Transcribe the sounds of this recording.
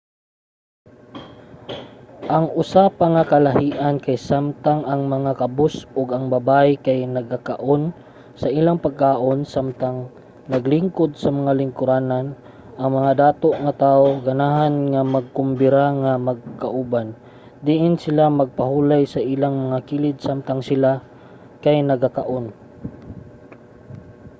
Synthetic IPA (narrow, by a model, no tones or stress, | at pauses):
ʔɐŋʔʊsapaŋakɐlahiːʔankajsamt̪aŋʔɐŋmɐŋakɐbʊsʊɡɐŋbɐbajkajnɐɡakaʔon | sɐʔiːlaŋpaɡ̚kaːʔonsamt̪aŋ | nɐɡlɪŋkod̪̚sɐmɐŋalɪŋkʊɾaːnan | ʔɐŋmɐŋad̪aːt̪oʔŋat̪aːʔoɡɐnaːɦanŋamɐɡ̚kʊmbɪɾaŋamɐɡ̚kaʔuban | d̪ɪʔɪnsɪlamɐɡ̚paɦuːlajsɐʔiːlaŋmɐŋakiːlɪd̪̚samt̪aŋsɪla | kajnɐɡakaʔon